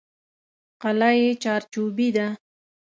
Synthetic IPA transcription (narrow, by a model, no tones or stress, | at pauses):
qalajet͡ʃɑɾt͡ʃubid̪a